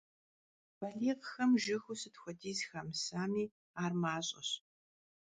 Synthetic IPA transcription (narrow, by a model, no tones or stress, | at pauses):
b̥ɐɮiːqxɐmʒɪxusɨtxʷɔdiːzxamsaːmiː | aːrmaːɕʼɐ̰ɕ